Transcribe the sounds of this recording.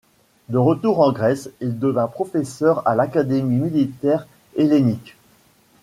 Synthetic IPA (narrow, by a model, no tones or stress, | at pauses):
d̪əʁət̪uʁɑ̃ɡʁɛsild̪əvɛ̃pχɔfɛsœʁa̰lakad̪emimilit̪ɛʁ | elenikʲ